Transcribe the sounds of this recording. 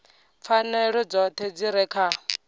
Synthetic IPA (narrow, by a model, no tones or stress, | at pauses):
p̪fʰanɛɺɔd͡zɔt̪ʰɛd͡ziɾɛkʰa